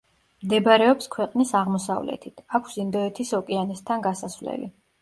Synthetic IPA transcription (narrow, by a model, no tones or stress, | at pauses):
md̪ɛbɾɛɔpskʰwɛqʼnisaʁmɔsa̰vlɛ̰t̪ʰit̪ʰakʷʰsind̪ɔɛt̪ʰisɔkʼɛanɛst̪ʰanɡasasvlɛ̰lḭ